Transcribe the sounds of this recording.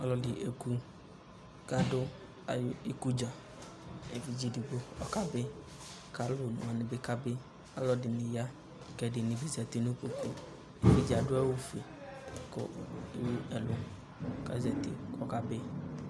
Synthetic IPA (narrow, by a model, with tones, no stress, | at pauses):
ɔ˦lɔ˦dɪ˨ʔe˨ku˦ | ka˦dʊ˦ | a̰˨jʊ˦i˦ku˦d͡ʒa˨ | e˨vi˨d͡ʒi˦dɪ˨bo˦ɔ̰˦ka˦bɪ˦ | ka˦lʊ˨nʊ̰˨a˨nɪ˨bɪ˦ka˦bɪ˦ | a̰˦lɔ˦dɪ˨nɪ˨ja˦˨ | kɛ˨dɪ˨nɪ̃˨bɪ˦zɛ˨t̪ɪ˨nʊ̃˦po˨t̪e˨ | e˨vi˦d͡ʒa˨dʊ˦a˦wʊ˦fe˨ | kʊ̰˨e˨wu˦ɛ˨lʊ˨ | ka̰˨zɛ˨t̪ɪ̰˨kɔ˦ka˦bɪ˦